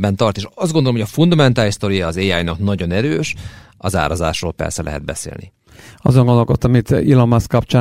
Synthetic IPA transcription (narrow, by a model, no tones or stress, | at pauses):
bɛnt̪ɒrt̪eːʃɒzd̪ɡond̪olomɦojɒfund̪ɒmɛnt̪aːlist̪o̞ɾijɒːzeːaːjnɒknɒɟo̞nɛɾøːʃ | ɒza̰ːɾɒza̰ːʃroːlpɛ̰rsɛlɛ̰ɦɛ̰d̪̚bɛ̰sḛːlni | ɒ̰zoŋɡond̪olkot̪ːɒmit̪ilomɒskɒpt͡ʃaː